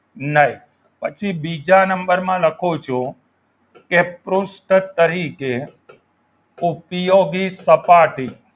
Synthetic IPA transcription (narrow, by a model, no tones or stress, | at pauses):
nəɦi | pət͡ʃʰibid͡ʒanəmbəɾmãləkʰot͡ʃʰo | kepɾʊsʈt̪əɾike | upjoɡisəpaʈi